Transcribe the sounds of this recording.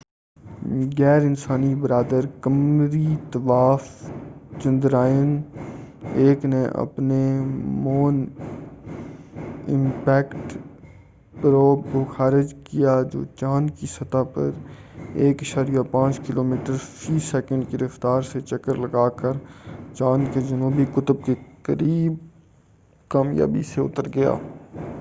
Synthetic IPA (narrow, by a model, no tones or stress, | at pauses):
ɡɛːɾɪnsaːnibəɾaːd̪əɾkəmɾit̪ɐʋaːft͡ʃɐ̃nd̪ɾaːjən | eːkneʔɐ̰pnemoːn | ɪ̰̃mpɛːkʈ | pɾoːkoxaːɾɪd͡ʒkijad͡ʒo̰ːt͡ʃaːnkisɐt̪apə̰ɾ | eːkɐʃaːɾijapãːt͡ʃkɪloːmiːʈəɾfiːsɛːkə̃ɳɖkiɾəft̪aːɾset͡ʃɐkəɾlɐɡaːkəɾt͡ʃaːnked͡ʒɐnuːbikʊt̪əb̚kekəɾiːb | kaːmja̰ːbḭseʊ̰t̪əɾɡɐja̰ː